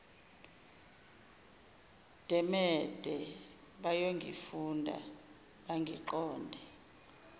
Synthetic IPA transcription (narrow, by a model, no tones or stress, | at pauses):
d̥ʱɛmɛd̥ʱɛ | ɓajoŋɡʱḭfundʱa̰ | ɓaŋɡʱiǃɔːndʱɛ